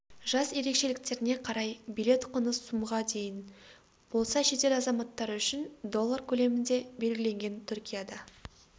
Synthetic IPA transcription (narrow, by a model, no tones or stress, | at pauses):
ʒɑsje̞ɾe̞kʃe̞lɪk̚t̪e̞ɾɪne̞qʰɑɾɑjbijle̞t̪qʰənəsːumʁɑd̪e̞jɪn | b̥o̞lˠsɑʃe̞t̪e̞lɑzɑmɑt̪ːɑɾʏʃɪnd̪o̞lˠːaɾkʲʰɵle̞mɪnd̪e̞be̞lɡʲɪle̞ŋɡʲe̞nt̪ʰʏɾkʲijad̪ɑ